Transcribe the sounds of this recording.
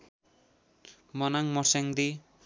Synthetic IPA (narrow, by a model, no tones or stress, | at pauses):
mʌnaŋmɔɾseŋd̪i